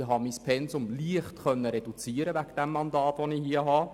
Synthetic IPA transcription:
ɦɑmispʰɛnsʊmliəχtχœnːəɾɛd̥ut͡siːəɾəvæɡd̥ɛmːɑndɑːtʋonɪhiəɦɑː

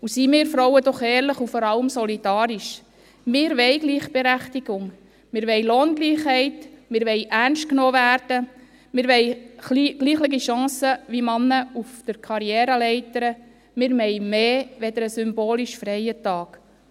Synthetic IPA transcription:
usimɪːɾfɾowədɔχɛːɾləχufɔɾɑləmsɔlid̥ɑːɾiʃ | mɪːɾʋɛɪɡliːχb̥eɾæχtiɡʊŋ | mɪːɾʋɛɪloːnɡliːχhɛɪtmɪːɾʋɛɪjʔærnst̚knoːvæːɾd̥ə | mɪːɾʋɛɪliɡ̥liːχlɪɡiʃɑ̃ːsəʋimɑnːəufd̪̥əɾkʰɑɾjɛːɾəlɛɪtəɾə | mɪːɾmɛɪmeːʋɛd̪əɾəsʏmboːliʃfɾɛjətɑːk

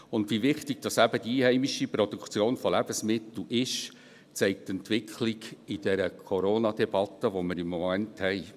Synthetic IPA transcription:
ʊnd̪ʋivɪχtɪɡ̥̚d̥ɑsæb̥əd̥iiːhɛɪmiʃipɾɔd̥̪ukt͡sjoːnfɔlæb̥əsmɪt̪l̩ʔɪʃ | t͡sɛɪk̚t̪ɛntʋɪkʰlɪɡɪd̥ɛɾəkʰɔɾoːnɑd̪ɛb̥ɑt̪ːəʋɔməɾɪmːɔmænthɛɪ

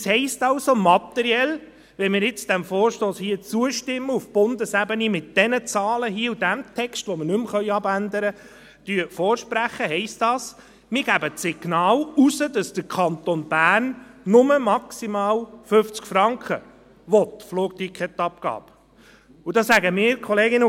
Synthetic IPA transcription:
shɛɪstɑwsomɑt̪ɛɾiɛl | ʋɛnmɪːɾɪt͡sd̥æmfoːɾʃtoːshiːət͡suəʃtɪmːəufb̥ʊndəsæbənimɪt̚d̥ɛnət͡sɑːləɦiəudæmt̪ʰɛkstʋɔməɾnʏmχœʏɑbænd̪əɾə | d̥yːəfɔːɾʃpɾæχəɦɛɪstdɑːs | mɪːɾɡ̥æbəsɪɡ̥nɑːlusədɑsd̥əɾkʰɑnt̪onb̥æːrnːʊməmɑksimɑːlføft͡skfɾɑŋkχə | ʋɔt̪floːk̚t̪ikχɛt̪ɑp̚kɑ̰ːp | ud̥ɑsæɡəmɪːɾkʰɔleːɡɪnə

